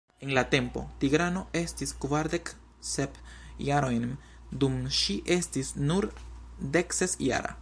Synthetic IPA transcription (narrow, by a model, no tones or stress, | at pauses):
enlate̞mpo̞̰tiɡɾano̞ʔe̞stiskvaɾd̪e̞k | sepjaɾo̞jn | dumʃiʔe̞stisnuɾd̪e̞ksesja̰ɾa̰